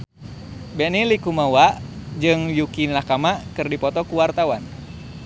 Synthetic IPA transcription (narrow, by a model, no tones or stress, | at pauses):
bɛnilikumawaʔd͡ʒɨŋjukilakamakɨrdipɔt̪ɔkuwart̪awan